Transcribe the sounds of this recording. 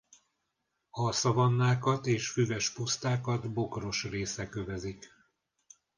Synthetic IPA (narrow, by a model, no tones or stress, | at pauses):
ɒsɒvɒnːaːkɒt̪eːʃfyvɛʃpust̪aːkɒd̪bo̞kro̞ʃreːsɛkø̞vɛzik